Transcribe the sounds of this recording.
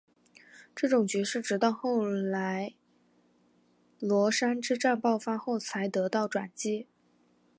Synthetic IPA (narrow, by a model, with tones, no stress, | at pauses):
ʈ͡ʂɤ˥˩ʈ͡ʂʊ˨˩ŋt͡ɕy˧˥ʂɻ̩˥˩ʈ͡ʂɻ̩˧˥t̪ɑ˥˧ʊxo˥˩ʊla˧˥ɪ | lwɔ˧˥ʂa˥nʈ͡ʂɻ̩˥ʈ͡ʂa˥˧npɑ˥˩ʊfa˥xo˥˩ʊt͡sʰa˧˥ɪt̪ɤ˧˥t̪ɑ˥˩ʊʈ͡ʂwa̰˨˩nt͡ɕi˥